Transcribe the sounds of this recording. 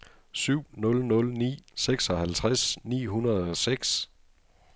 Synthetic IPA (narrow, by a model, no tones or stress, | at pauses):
syʊ̰nɔ̽lnɔ̽lnḭːseɡ̥sɒ̽hælt͡sʰʁasnḭːɦunɐðˠɒ̽seɡ̥s